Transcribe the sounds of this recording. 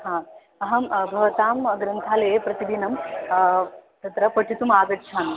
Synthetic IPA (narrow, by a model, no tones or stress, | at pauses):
ɦãː | ɐɦɐmbʱɐʋɐt̪aːmɡɾɐnt̪ʰaːleːpɾɐt̪ibʱinɐm | t̪ɐt̪ɾɐpɐʈʰit̪umaːɡɐtt͡ʃʰaːn